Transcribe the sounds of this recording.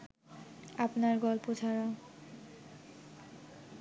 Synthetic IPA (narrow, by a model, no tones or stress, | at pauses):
apnaɹɡɔlpod͡ʑʰaɹa